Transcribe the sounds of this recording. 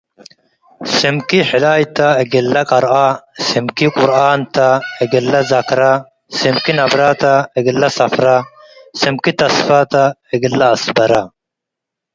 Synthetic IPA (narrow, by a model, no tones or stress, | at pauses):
simkiħɪlaːjt̪ɐeɡɪlːɐkʼɐɾʔasimkikʼʊɾʔaːnt̪ɐɛɡɪlːɐzɐkɾa | simkinɐbɾaːt̪ɐɛɡɪlːɐsɐfɾa | simkit̪ɐsfaːt̪ɐɛɡɪlːɐːsbɐɾa